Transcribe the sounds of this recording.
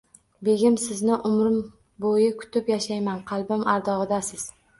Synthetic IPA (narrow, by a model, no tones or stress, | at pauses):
be̞ɡʲɪmsɪznɪʔʊmɾɪm | bojɪkʰʊ̥t̪ɪpjaʃajmanqʰɑlˠbɪmaɾd̪ɒʁɨd̪asɪz̥